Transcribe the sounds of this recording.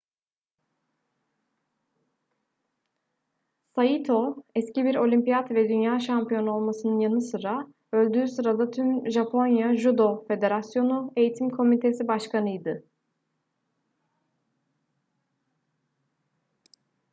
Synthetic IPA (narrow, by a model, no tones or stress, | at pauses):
sajit̪ʰo̞ɛscibiɾo̞lʲimpijat̪vɛd̪ynjaːʃampijo̞nuo̞lˠmasɯnɯnjanɯsɯɾa | ø̞lʲd̪yːsɯɾad̪at̪ʰymʒapʰo̞njaʒud̪o̞fe̞d̪e̞ɾasjo̞nue̞jit̪ʰimkʰo̞mit̪ʰe̞sibaʃkanɯjd̪ɯ